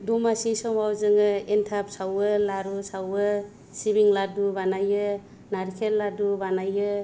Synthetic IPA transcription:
dumasisɔmawzɯŋɯentʰap̚sawɯlaɾusawɯ | sibiŋladubanajɯ | naɾkʰelːadubanajɯ

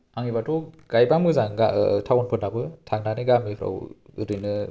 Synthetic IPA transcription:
aŋibatʰɔɡ̥ajbamɯzaŋɡatʰawɔnpʰɯnabɯtʰaŋ̚naniɡamipʰɾa̰wɾinɯ

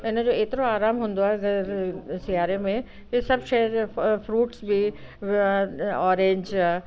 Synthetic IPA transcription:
ɪnəd͡ʑoːeːt̪ɪɾoaːɾaːmɦũːn̆d̪oaɦɛɐɡəɾsɪjaːɾemẽ | isɐbʃɐɦəɾfɾuːʈsbʱi | ɔːɾẽːɲd͡ʑ

